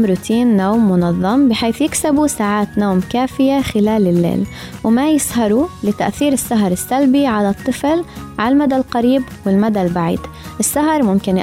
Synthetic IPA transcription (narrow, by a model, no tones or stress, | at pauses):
ɾuːt̪ʰiːnːoːmːʊnɑðˤːɑmbɪħeːθjɪksabusaːʕaːt̪noːmkaːfɪjaxɪlaːlɪlːḛːl | wmajɪshɑɾˤulɪt̪aʔθiːɾɪsːaɦɑɾˤɪsːalbiʕalat̪ˤːɨflʕalmad̪alqaɾiːbwɪlmad̪albaʕḭːd̪ | ʔɪsːaɦɑɾˤmʊmkɪn